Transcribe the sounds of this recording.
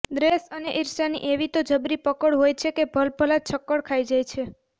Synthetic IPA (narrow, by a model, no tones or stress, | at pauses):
d̪ɾesəneʔɪɾsanḭʔeʋit̪od͡ʒəbɾipəkəɽɦojt͡ʃʰekebʱəlbʱəlat͡ʃʰəkːəɽkʰaid͡ʒajt͡ʃʰe